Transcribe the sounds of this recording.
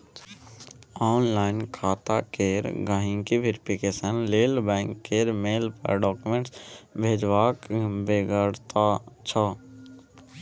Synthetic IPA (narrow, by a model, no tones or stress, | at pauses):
ɔːnlaːɪnkʰaːt̪akeːɾɡaːɦĩŋkiʋɪɾpʰikeːsənleːlbɛ̃ːŋkːeːɾmeːlpə̰ɖɔːkumẽɳʈsbʱeːd͡ʒʋaːkbeɡəɽt̪at͡ʃʰɔ